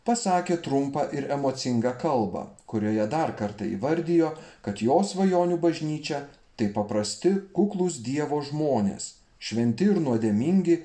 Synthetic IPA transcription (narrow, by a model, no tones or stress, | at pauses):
pɐsɑːkʲeːt̪ɾʊmpɐʔɪɾɛmoːt̪sʲɪŋɡɐkɐlˠbɐ̰kʊɾʲoːjɛd̪ɐɾkɐɾt̪ɐḭːʋɐɾʲd̪ʲɪjoːkɐt̪joːsʋɐjoːnʲuːbɐʒʲnʲiːt͡ʃʲɛ | t̪ɐɪpɐpɾɐsʲt̪ʲɪkʊklˠʊsd̪ʲiɛʋoːʒmoːnʲḛːs | ʃʲʋʲɛnʲt̪ʲɪɪɾnuɔd̪ʲeɛmʲɪŋʲɡʲɪ